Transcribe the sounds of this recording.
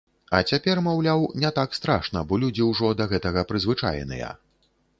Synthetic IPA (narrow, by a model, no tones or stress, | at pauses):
ɐt͡sʲapʲɛrmawlʲawnʲɛt̪akst̪ɾaʂnɐbɔlʲud͡zʲiwʐɔd̪ɐɣɛt̪ɐɣɐpɾɨzvɨt͡ʂa̰j̰nɨ̰jɐ̰